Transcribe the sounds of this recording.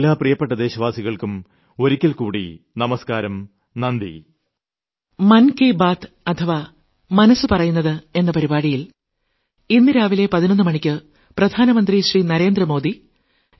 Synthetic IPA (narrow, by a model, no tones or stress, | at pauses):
lːaːprijɐpːeʈːɐd̪e̞ːɕɐʋaːsiɣɐɭkum | o̞ɾikʲːɐlkuːɽḭ | nɐmɐskaːɾɐm | nɐnd̪ḭ | mɐnkeːbaːt̪ | ɐt̪ʰɐʋa | mɐnɐsɨpɐrɐjunːɐðɨe̞nːɐpɐɾibaːɽijil | inːɨɾaːʋile̞pɐðinonːɨmɐɳikʲːɨ | prɐd̪ʱaːnɐmɐnd̪riɕriːnɐɾe̞ːnd̪rɐmo̞ːd̪i